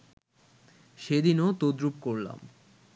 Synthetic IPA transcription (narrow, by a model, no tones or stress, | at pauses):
ʃed̪inot̪od̪ɾupkoɾla̰m